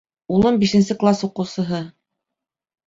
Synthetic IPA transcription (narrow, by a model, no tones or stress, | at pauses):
ulˠɤmbiʃɘ̆nsɘklˠasuqɤ̆wsɤ̆ɦɤ